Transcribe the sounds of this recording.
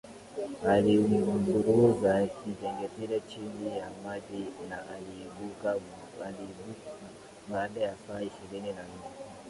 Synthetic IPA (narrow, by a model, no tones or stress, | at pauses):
aliɡuɾuzakid͡ʒɛŋɡɛtiɾat͡ʃiŋɡijamaɗinaʔaliːɓuka | aliɓua | baːɗajasaːiʃiɾininan̩nɛ